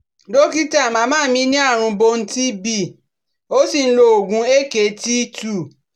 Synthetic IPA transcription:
do˦ki˦ta˦˨mãː˧˦mãː˦mĩ˦nĩ˦a˦˨ɾ̃ũ˧bo˧n̩˦ti˦bi˦˨ | o˦si˦˨n̩˦lo˧o˨ɡũ˧˦e˦˨ke˨˧˦ti˦tu˦˨

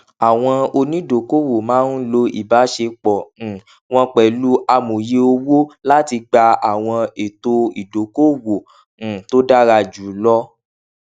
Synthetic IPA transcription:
a˨w̃ɔ̃˧o˧nĩ˦do˨ko˦wo˨mãː˨˦n̩˦lo˧ḭ˨ba˨˦ʃe˧k͡pɔ̃˨ | w̃ɔ̃˧k͡pɛ˨lu˦a˧mũ˨je˧o˧wo˦la˦ti˧ɡ͡ba˧a˨w̃ɔ̃˧e˨to˧i˨do˨ko˦wõ˨ | to˦da˦ɾa˧˨d͡ʒu˨˦lɔ˦

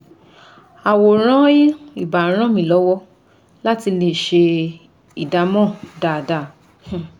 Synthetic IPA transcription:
a˨wo˨ɾ̃ɔ̃˦i˦i˦˨ba˨˦ɾ̃ã˦mĩ˦˨lɔ˨˦wɔ˦ | la˦ti˧le˦˨ʃe˧ | i˨da˨˦mɔ̃˦˨da˨da˦˨ | h̩˨

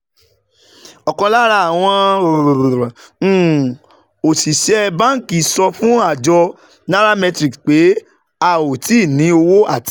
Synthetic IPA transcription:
ɔ˨kɔ̃˧la˦ɾa˦˨a˨w̃ɔ̃˧˨˦ | o˨si˨ʃɛ˦ba˦ki˨sɔ˧fũ˦a˦˨d͡ʒɔ˧ | na˦ɾa˦mɛ˧tɾi˨kk͡pe˨˦ | a˨o˨ti˦˨nĩ˨˦o˧wo˦a˦˨ti˦

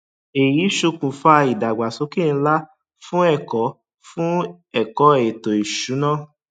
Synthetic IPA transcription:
e˨ji˨˦ʃu˧kũ˨fa˦˧i˨da˨ɡ͡ba˨so˨˦ke˦˨n̩˧˦la˦ | fũ˦ɛ˦˨kɔ˨˦ | fũ˦ | ɛ˦˨kɔ˨˦˨to˨i˨ʃu˨˦nãː˦

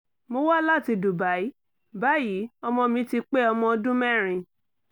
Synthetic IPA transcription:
mo˧wa˦la˦˨ti˧du˨ba˨˦i˦ | ba˨˦ji˨˦ɔ˧mɔ̃˧mĩ˧˦ti˧k͡pe˦ɔ˧mɔ̃˧dũ˦mɛ̃˦˨ɾ̃ĩ˨

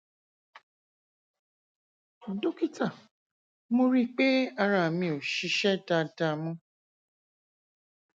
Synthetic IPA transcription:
a˨do˦ki˦ta˦˨ | mo˧ɾi˦k͡pe˦a˧ɾa˨mĩ˧o˨ʃi˧ʃɛ˦da˧da˧mũ˧

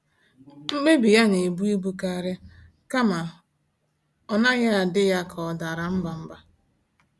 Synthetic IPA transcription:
ŋ͡m̩˦ɡ͡be˦bi˨ja˦ne˨bu˦i˦bu˦ka˦˨ɾɪ˦ | ka˦ma˨ | ɔ˦na˦ɣa˦a˨dɪ˦ja˦kʰɔ˨da˨ɾa˨m̩˦ba˨m̩˦ba˨

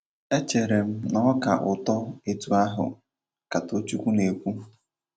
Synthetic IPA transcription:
e˦t͡ʃe˨ɾe˨m̩˦nɔ˦ka̰˨ʔʊ˨tɔ˦e˨tu˦a˦ɦʊ̰˨ | ka˨to˦t͡ʃu˦kʷu˦ne˨kʷu˦

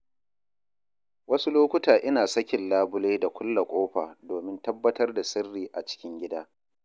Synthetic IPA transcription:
wɐ˦su˦loː˦kʷʊ˦taː˨ʔɪ˦naː˨sɐ˦kʲɪ˨nlaː˦bʊ˦leː˦da˨kʷʊ˦lːa˨kʷʼoː˦ɸaː˨doː˨mɪ˦ntɐ˦bːɐ˦tɐ˦rda˨sɐ˦rːiː˨ʔa˨t͡ʃɪ̥˦kʲɪ˦ŋɡʲɪ˦daː˦

